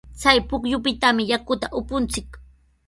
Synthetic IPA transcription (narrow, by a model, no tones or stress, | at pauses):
t͡sajpʊkʎʊpɪt̪amɪjakʊt̪aʔʊpʊnt͡sɪk